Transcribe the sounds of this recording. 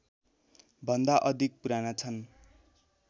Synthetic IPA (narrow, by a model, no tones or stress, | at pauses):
bʱʌnd̪aʔʌd̪ʱik̚puɾanat͡sʰʌn